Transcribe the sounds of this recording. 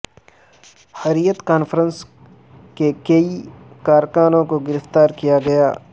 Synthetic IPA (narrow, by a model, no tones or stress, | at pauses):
hɐɾijət̪kaːnfəɾəns | kekɐikaːɾkaːnõkoɡɪɾəft̪aːɾkijaɡɐja̰ː